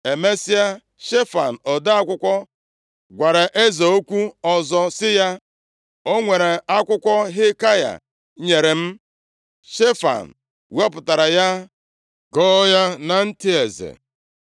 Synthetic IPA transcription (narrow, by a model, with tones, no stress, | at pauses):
e˨me˦sɪ˦a˦ | ʃe˦fa̰˨n̩˨ɔ˨dɪ˦a˦kʷʊ˦kʷɔ˦ | ɡʷa˨ɾe˨ʔe˦ze˨o˦kʷu˦ɔ˨zɔ˦sɪ˦ja˦ | o˦ŋʷe˨ɾe˨a˦kʷʊ˦kʷɔ˦ɦɪ˦ka˦ja̰˨ | ɲe˨ɾe˨m̩˦ | ʃe˦fa̰˨n̩˨ | we˦ɔ˦pʊ˨ta˨ɾa˨ja˦ | ɡɔ˦ja˦na˨n̩˦tɪ˦e˨zḛ˨